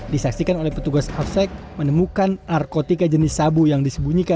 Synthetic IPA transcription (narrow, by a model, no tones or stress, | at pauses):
disaksikanolɛhpət̪uɡasafsɛk̚ | mənəmukanːarkot̪ikad͡ʒənɪsːabujaŋdisəbuɲika